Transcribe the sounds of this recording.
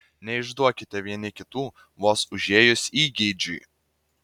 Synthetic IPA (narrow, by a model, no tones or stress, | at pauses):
nʲɛɪʒd̪uɔkʲɪt̪ʲɛʋʲiɛnʲɪkʲɪt̪uː | ʋoːsʊʒʲeːjʊsʲiːɡʲɪd͡ʒʲʊ̰j